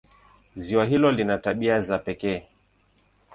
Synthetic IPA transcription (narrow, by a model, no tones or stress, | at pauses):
ziwaɦilɔlinataɓiazapɛkɛː